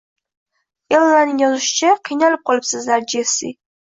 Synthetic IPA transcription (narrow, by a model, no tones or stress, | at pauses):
elˠːanɪŋjɒzʊʃɪ̥t͡ʃʰaqʰijnalɪp̚qʰɒlˠɪpsɨzlaɾd͡ʒesḭ